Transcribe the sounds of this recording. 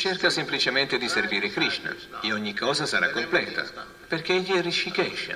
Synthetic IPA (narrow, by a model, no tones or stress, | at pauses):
t͡ʃerkasemplit͡ʃement̪ɪd̪iserviːɾekɾiʃna̰ | eɔɲːikʰːɔːzasaɾa̰kːomplɛ̰ːt̪a̰ | perk̟eeʎːiɛrit͡ʃfikɛʃːa̰